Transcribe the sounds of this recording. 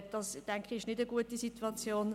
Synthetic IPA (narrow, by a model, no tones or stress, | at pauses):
d̥ɑsd̥ɛŋkχiɪʃnɪdəɡuətisituɑt͡sjoːn